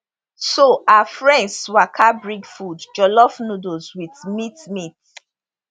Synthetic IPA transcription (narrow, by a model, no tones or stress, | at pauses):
soaafɹɛ̃ndsswakʰabɹiɡfudd͡ʒɔlɔfnudozwiθmitmit